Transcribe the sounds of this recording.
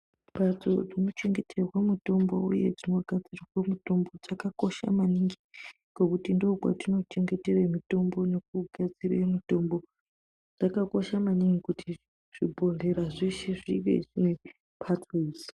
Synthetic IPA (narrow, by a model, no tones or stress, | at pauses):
bʱad͡zo̰d͡zinot͡ʃe̞ŋɡe̞tʰerwamito̞mbo̰uje̞̰d͡zino̞ɡʱad͡zirirwemitombod͡zakako̞ʃa̰maniŋɡi | ɡ̥okutindoːkwa̰tino̞t͡ʃe̞ŋɡe̞te̞remito̞mbo̞nek̚uɡʱad͡ziremito̞mbo̞ | d͡zakako̞ʃamaniŋɡikuti | ʐ̥ibʱo̞ɮe̞ɾaʐiʃeʐiʋḛʐine | pʰatriz